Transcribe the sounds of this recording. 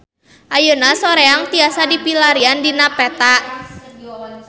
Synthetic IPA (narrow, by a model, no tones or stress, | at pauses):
ʔajunasɔɾeaŋt̪iasadipilaɾiandinapɛt̪aʔ